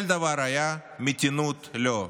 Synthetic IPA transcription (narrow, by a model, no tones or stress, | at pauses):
lʲd̪ɐʋaɾɐjamit̪ʲinut̪lʲo